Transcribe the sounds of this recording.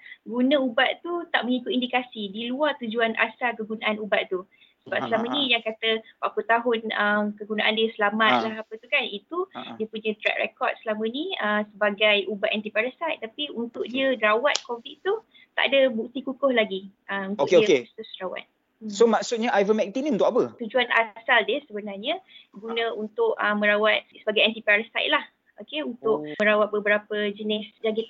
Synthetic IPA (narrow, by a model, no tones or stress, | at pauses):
ɡunə̃ubaʔ̪t̪ut̪aʔməŋikʊt̪̚indikasidiluart̪ud͡ʒuanʔa̰sakəɡunaʔanubaʔt̪u | səbapsəlamənĩjaŋkat̪əbaput̪aɦʊnəmkəɡunaʔandiəsəlamãt̪̚laɦapət̪ukanit̪udiəpuɲə̃t̪ɾɛ̰k̚rɛ̰kɔd̚səlamə̃niəsəbaɡajubat̪ɛnt̪ipaɾəsat̪apiunt̪ʊʔ̚diəɾawat̪̚koviʔ̚t̪u | t̪a̰ʔdəbuk̚t̪ikukʊhlaɡiʔəuntkkeust̪usrawa̰t̪̚ | somaksʊt̪̚ɲaʔajvənmɛk̚t̪inĩunt̪ʊkapət̪ud͡ʒuana̰saldɛsəbənarɲəɡunə̃unt̪ʊʔəmə̃ɾawat̪̚səbaɡajɛnt̪ipaɾəsa̰jt̪̚lah | okeunt̪ʊʔ̚ə̃ɾawat̪̚bəbəɾapəd͡ʒənɪsd͡ʒaɡɪ